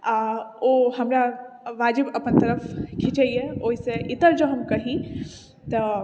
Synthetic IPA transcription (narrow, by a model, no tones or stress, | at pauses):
aoːɦɐmɾaʋaːd͡ʒɪbɐpənt̪ɐɾəfkʰit͡ʃeieoːɪseʔɪt̪əɾd͡ʒoːɦɐmkɐɦĩ | t̪ɐ